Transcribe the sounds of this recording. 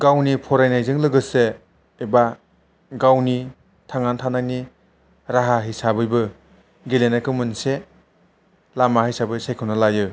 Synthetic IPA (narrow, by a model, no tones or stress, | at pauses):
ɡawnipʰɔɾajnajzɯŋlɯɡɯseː | ba | ɡawni | tʰaŋantʰanani | ɾaɦaɦisabɯjbɯ | ɡilenakʰɯmɯnse | lamahijsabɯsejkʰɯwnalajɯ